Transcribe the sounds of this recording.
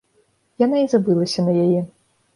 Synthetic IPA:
janaizabɨlˠɐsʲɐnɐjajɛ

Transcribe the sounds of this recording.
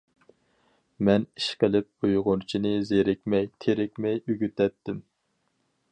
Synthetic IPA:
mɛni̥ʃqʰəlɪp̚ujʁʊnt͡ʃʰinɪzeɾɪkʲmɛjt̪ʰeɾɪkʲmɛjyɡʲyt̪ɛt̪ːɪm

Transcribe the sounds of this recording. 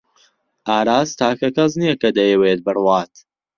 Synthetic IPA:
ʔaːɾaːst̪ʰaːkɐkɐznijɐkɐd̪ɐjɛweːt̪̚bɨrwaːt̪

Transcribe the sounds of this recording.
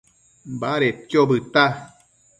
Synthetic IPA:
baɾet͡ʃjobɨt̪a

